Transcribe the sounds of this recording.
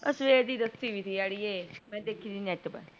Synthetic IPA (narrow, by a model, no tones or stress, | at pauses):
ə̰sʋeːɾd̪iːd̪əst̪iːʋiːt̪ʰijaːɽiːeːmɛ̃ːd̪eːkʰiːd̪iːnɛʈpə̰